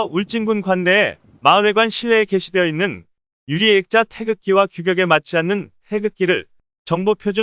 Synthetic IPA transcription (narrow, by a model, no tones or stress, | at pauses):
uɭt͡ɕ͈iŋɡunɡwande̞ː | maɯɾe̞ɡwanɕʰiɭːe̞ːke̞ɕʰidwe̞jʌinːɯn | juɾiek̚t͡ɕ͈atʰe̞ɡɯk͈̚iwakjuɡjʌɡe̞mat͡ɕʰianːɯntʰe̞ɡɯk͈iɾɯɭ | t͡ɕʌŋbopʰjod͡ʑu